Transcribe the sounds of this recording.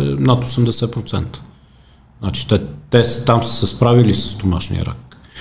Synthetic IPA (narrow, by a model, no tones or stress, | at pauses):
ɛnat̪osɛmd̪ɛsɛpɾot̪sɛ̰nt̪ə̥ | znat͡ʃi̥t̪ɛt̪ɛst̪amssəspɾavilisəst̪omaʃnḭə̰ɾa̰k